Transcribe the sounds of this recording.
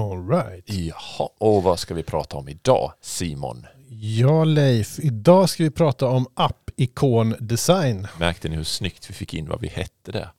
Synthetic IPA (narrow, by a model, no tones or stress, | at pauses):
ɔlɹajt̪hɑʔɔvaskavɪpʰɾɑ̰ːt̪ʰaɔmɪd̪ɑ̰ːsiːmɔ̰n | jɑːlɛjfɪd̪ɑːskavɪpʰɾɑːt̪aɔmʔapːɪkʰoːnd̪ɛsajnmæɾk̚t̪ʰənɪhɵʂnʏkt̪vɪfɪkːɪnːva̰vɪ̰hɛt̪ʰːəd̪ɛ̰